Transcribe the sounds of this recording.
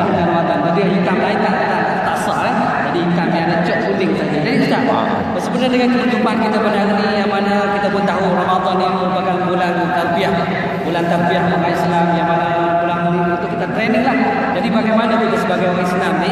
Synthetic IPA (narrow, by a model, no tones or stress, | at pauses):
adəŋanrɔmad̪ɔnd͡ʒadiɦit̪amlait̪ait̪aʔat̪asa̰ʔlah | d͡ʒadiit̪amdianat͡ʃɔʔunɪŋt̪adidakit̪a | bənsəbənədəŋankit̪ad͡ʒ̪umpankit̪abanannijaŋmanakit̪abuət̪aɦurɔmad̪ɔnːiməɾupakanbulant̪arbiaʔ | bulant̪arbiaʔmuʔaislamjaŋmanaalabulanmunit̪ut̪ukit̪at̪ɾenəlah | d͡ʒadibaɡajmanat̪ukəsəbaɡajoɾɛsənamni